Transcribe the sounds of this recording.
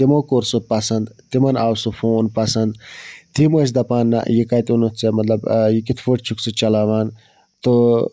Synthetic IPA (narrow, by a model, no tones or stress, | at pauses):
t̪imoːkoɾsopɐsɐnd̪t̪imɐnaːwsufʰoːnpɐsɐnd̪t̪imos̬d̪ɐpaːnːa̰jikaːt̪iunut̪ʰt͡semɐt̪lɐbjikit̪ʰfoʈt͡ʃʰuksɨt͡ʃɐlaːʋaːn | t̪o